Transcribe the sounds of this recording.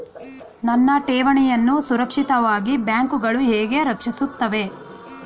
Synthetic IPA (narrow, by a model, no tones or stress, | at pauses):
nɐnːɐʈeːʋɐɳɛjɐnːusuɾɐkʂit̪ɐʋaːɡibjaːŋkuɡɐɭuɦɛːɡe̞ɾɐkʂisut̪ːɐʋe̞